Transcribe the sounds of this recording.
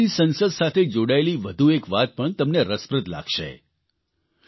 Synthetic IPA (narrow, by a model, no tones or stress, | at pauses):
isənsəd̪sat̪ʰed͡ʒoɽaeliʋəd̪ʱuekʋat̪̚pəɳt̪əmneɾəspɾəd̪la̰ɡʃḛ